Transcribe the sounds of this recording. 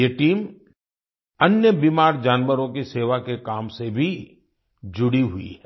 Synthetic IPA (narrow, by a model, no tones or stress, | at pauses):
jeʈiːm | ɐnjəbiːmaːɾd͡ʒaːnʋəɾõkiseːʋakekaːmsebʱi | d͡ʒʊɽiɦʊḭɦɛ